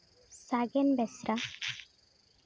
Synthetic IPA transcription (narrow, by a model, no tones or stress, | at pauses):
saɡɛnbɛsɾa